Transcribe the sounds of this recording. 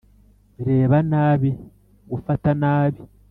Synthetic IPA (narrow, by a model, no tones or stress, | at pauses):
βiɾe̞ːβanaːβi | ɡufatanaːβi